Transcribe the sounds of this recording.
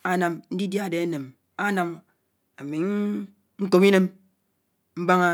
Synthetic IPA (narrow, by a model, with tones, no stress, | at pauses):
a˦na˨mn̩˦di˦dja˦˨de˨e˦ne˨m | a˦na˨m | a˨mi˨ŋ˦ | ŋ̩˦ko˨mi˦ne˦m | m̩˦ba˦ŋa˦